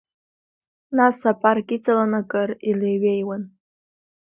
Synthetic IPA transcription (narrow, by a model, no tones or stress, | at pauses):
nasapʼarkʼit͡sʼalanakʼɨrilejɥejwan